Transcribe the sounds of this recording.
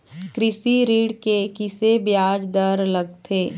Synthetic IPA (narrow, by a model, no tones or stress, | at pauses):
kɾɪsiɾiːɽkekɪsebjaːd͡ʒd̪əɾlɐɡ̚t̪ʰeː